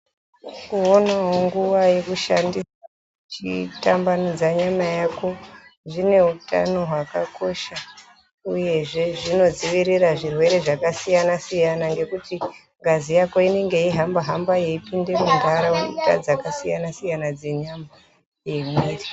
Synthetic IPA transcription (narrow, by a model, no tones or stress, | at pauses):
kuonaɦo̞ŋɡuʋaje̞kuʃandisa | t͡ʃḭtambanod͡zaɲamajako̞ʐine̞uta̰no̞ɦwakako̞ʃa | uje̞ʐe̞ʐino̞d͡ziʋiriraʐirwe̞ɾe̞ʐakasijanasijanaŋɡe̞kuti | ŋɡazijako̞ine̞ŋɡe̞iɦambaɦambaje̞ipinde̞mundʱaɾaweuta̰d͡zakasijanasijanad͡ze̞ɲama | je̞meːti